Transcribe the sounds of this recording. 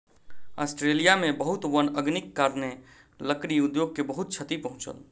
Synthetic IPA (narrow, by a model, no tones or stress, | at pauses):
a̰sʈɾelijamẽbəɦut̪wənəɡnikːaɾne | ləkɽiud̪joɡ̚kebəɦut̪̚t͡ʃʰət̪ipəɦũt͡ʃə̰l